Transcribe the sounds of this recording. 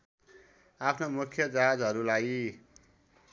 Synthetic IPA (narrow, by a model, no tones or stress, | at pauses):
apʰnomukʰjʌd͡zaɦad͡zɦʌɾulaj